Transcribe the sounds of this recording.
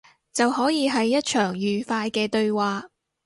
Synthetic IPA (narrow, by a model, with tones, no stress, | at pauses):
t͡sɐ˨wɦɔː˨˥jiː˨˧ɦɐ˨jːɐ˥t̚t͡ʃʰœː˨˩ŋjyː˨˩faː˧jkɛː˧t̪ɵ˧ɥwaː˨˧